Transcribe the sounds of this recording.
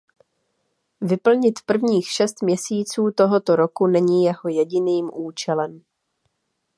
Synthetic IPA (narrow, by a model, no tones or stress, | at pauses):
vɪpl̩ɲɪt̪pr̩vɲiːxʃɛst̪mɲɛsiːt͡suːt̪o̞ɦo̞t̪o̞ɾo̞kunɛɲiːjɛɦo̞jɛɟɪniːmʔuːt͡ʃɛlɛm